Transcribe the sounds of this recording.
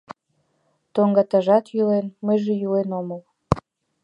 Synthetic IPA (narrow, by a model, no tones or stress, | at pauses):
t̪oŋɡɑt̪ɑʒɑt̪jylenməjʒejylenoməl